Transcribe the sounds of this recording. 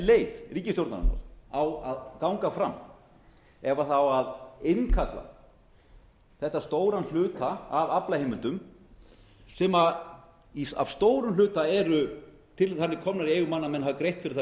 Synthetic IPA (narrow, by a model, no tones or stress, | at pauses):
lejðriːcɪstjowɾt̪na̰ɾ̰na̰ɾawaðkawŋkafɾa̰mː | ɛvaθawaðenkʰat̪la̰ | θɛht̪ːast̪oːwɾanl̥ʏːt̪aːvaplahejmɪlt̪ʏm | sɛːma | isa̰v̥st̪oːwɾʏmlʏːt̪aɛɾʏ | t̪ʰɪlθanːɪkʰɔmnaɾieːjɣʏmanːamɛnɦavðʏkɾejht̪fɪɾɪɾθa